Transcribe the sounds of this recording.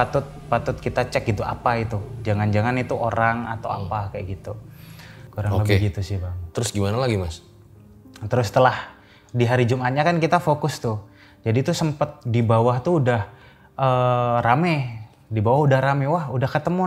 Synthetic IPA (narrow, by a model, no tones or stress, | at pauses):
at̪ʊt̪̚pat̪ʊt̪̚kit̪at͡ʃɛk̚ɡit̪uʔa̰pait̪ud͡ʒaŋand͡ʒaŋanit̪uʔoɾaŋa̰t̪awa̰pakaja̰ɡit̪u | kuɾaŋoləkɡit̪usɪhbaŋt̪əɾʊsɡimanalaɡimas | t̪əɾʊst̪əlah | diɦaɾid͡ʒumaɲakankit̪afokʊst̪ʊh | d͡ʒadit̪usəmpət̪̚dibawaht̪uːdah | ʔəɾamɛ | dibawahudahɾamɛwahudahkət̪əmu